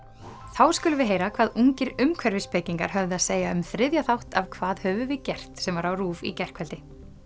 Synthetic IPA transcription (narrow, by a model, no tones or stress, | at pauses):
θawskʏlʏvɪðɦeːjɾakʰvaːðuŋcɪɾʏmkʰvɛɾvɪspʰeːciŋka̰ɾ̥ɦœvðɪaðseːjaʏmθɾɪðjaθawht̪avkʰvaːðhœːvʏvɪcɛr̥t̪sɛmvaɾawruːvḭcɛr̥kʰvɛlt̪ɪ